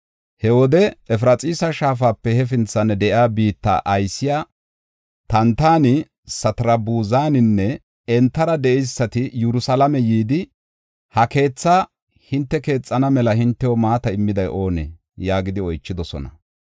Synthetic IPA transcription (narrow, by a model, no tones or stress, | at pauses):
hɛwɔd̪ɛɛfɾɐt͡sʼiːsɐʃaːfaːpːɛhɛfɪnt͡sːɐnɛd̪ɛʔjaːbiːt̪ːɐ̰ʔɐjsːɪjaː | t̪ɐnt̪aːnɪ | sɐt̪ɾɐbuːzaːnɪnːɛ | ɛnt̪ːɐɾɐd̪ɛʔɛjsːɐt̪ɪjɛɾʊsɐlɐmɛjiːd̪ɪ | hɐke̞ːt͡sːaː | hɪnt̪ːɛke̞ːt͡sʼːɐnɐmɛlɐhɪnt̪ːɛwɔmaːt̪ɐɪmːɪd̪ɐjʔo̞ːnḛː | jaːɡɪd̪ɪɔjt͡ʃːɪd̪ɔsɔ̰nɐ